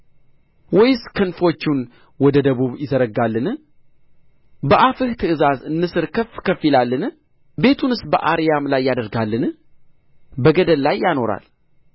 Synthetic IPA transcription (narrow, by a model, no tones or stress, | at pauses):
wɔjskʰɨnfo̞t͡ʃːun | wɔd̪əd̪əβuβjɪzəɾəɡalːɨnɨ | bəʔafɨht̪ʰɨʔɨzazɨnːɨsɨɾkʰəfkʰəfilalːɨn | be̞t̪ʰunɨsbə̰ʔaɾijamlajːad̪əɾɡalːɨn | bəɡəd̪əlːajːano̞ɾa̰l